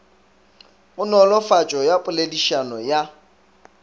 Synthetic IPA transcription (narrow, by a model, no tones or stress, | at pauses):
ʊnɔlɔfat͡ʃʼɔjapʼʊlediʃanɔja